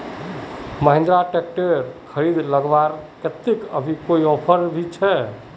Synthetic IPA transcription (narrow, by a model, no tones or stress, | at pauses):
məɦẽnd̪ɾaʈek̚ʈeɾkʰəɾid̪ləɡʋaɾket̪ːikəbʱikoiɔpʰəɾbʱit͡ʃʰɛ